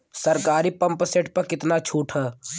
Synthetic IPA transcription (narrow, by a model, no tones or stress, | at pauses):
səɾkaːɾipə̃mpseːʈʰpɐkɪt̪nat͡ʃʰuːʈʰɦə